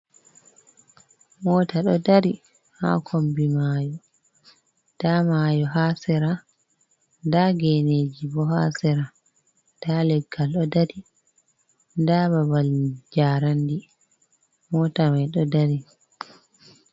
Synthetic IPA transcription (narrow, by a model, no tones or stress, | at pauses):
mɔːtaɗɔdaɾi | ha̰kʰombimaːjɔ | d̥amajɔɦaːsɛɾa | ndaɡɛneːd͡ʒibɔɦasɛɾa | d̥alɛɡːalɗɔdaɾi | ndababald͡ʒaːɾandi | mɔːtamajɗɔdaɾi